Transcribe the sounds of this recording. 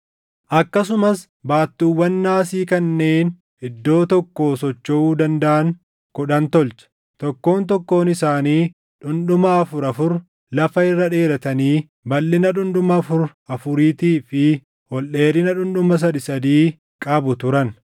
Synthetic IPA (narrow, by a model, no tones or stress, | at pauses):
ʔɐkːɐsʊmɐs | baːt̪ːuːwːɐnːaːsiːkɐnːe̞ːn | ɪd̪ːo̞ːt̪ɔkːo̞ːsɔt͡ʃːɔʔuːd̪ɐnd̪ɐʔɐŋ | kʊᶑɐnt̪ɔlt͡ʃɐ̥ | t̪ɔkːo̞ːnt̪ɔkːo̞ːnɪsaːniː | ᶑʊnᶑʊmɐːfʊɾɐfʊɾ | lɐfɐɪrːɐᶑe̞ːɾɐt̪ɐniː | bɐlːɪnɐᶑʊnᶑʊmɐfʊɾɐfʊɾiːt̪iːfɪ | hɔlʔe̞ːɾɪnɐᶑʊnᶑʊmɐs̬ɐd̪ɪsɐd̪iː | kʼɐbʊt̪ʊɾɐn